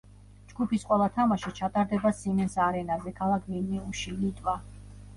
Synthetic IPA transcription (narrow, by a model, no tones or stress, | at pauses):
d͡ʒɡupisqʼwɛlˠat̪ʰamaʃit͡ʃʰat̪ʼaɾd̪ɛbasimɛnsaɾɛnazɛkʰalˠakʰvinniuʃilit̪ʼva